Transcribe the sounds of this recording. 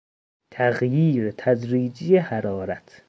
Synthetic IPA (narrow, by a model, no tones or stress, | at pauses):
t̪ʰæɣjiːɾet̪ʰæzɾiːd͡ʒijehæɾɒːɾæt̪ʰ